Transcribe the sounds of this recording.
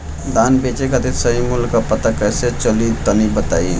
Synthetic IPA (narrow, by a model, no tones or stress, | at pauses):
d̪aːnbeːt͡ʃekɐt̪ɪt̪sɐɦimʊlkːapɐt̪akɛːset͡ʃɐlit̪ɐlibɐt̪aːi